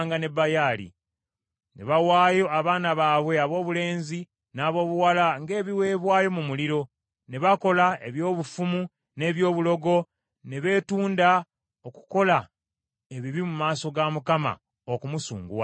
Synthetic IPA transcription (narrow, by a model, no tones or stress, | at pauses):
ŋɡane̞bajaːlḭ | nḛβawaːjo̞aβaːnaβaːβwe̞aβo̞ːβule̞ːnzi | naːβo̞ːβuwalaŋɡe̞ːβiwe̞ːβwaːjo̞mumuliɾo̞ | ne̞βako̞lae̞̰βjo̞ːβufumu | ne̞ːβjo̞ːβulo̞ɡo̞ | ne̞βe̞ːtuːnda | oku̥ko̞la | e̞βiβimumaːso̞ɡamukama̰ | okumusṵːŋɡuwa̰